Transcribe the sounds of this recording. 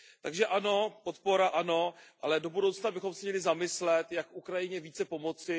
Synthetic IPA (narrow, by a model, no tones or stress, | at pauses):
t̪a̰ɡʒɛʔano̞pot̪po̞ɾaʔano̞ʔalɛdo̞budowt͡snabɪxo̞msɛmɲɛlɪzamɪslɛt̪jakukɾajɪɲɛviːt͡sɛpo̞mo̞t͡sɪ